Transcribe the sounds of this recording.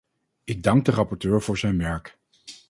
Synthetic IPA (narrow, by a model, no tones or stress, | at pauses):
ɪɡ̚dɑŋɡ̚dərɑpɔɹtøːɹv̥ʊːɹzɛjnʋɛɹk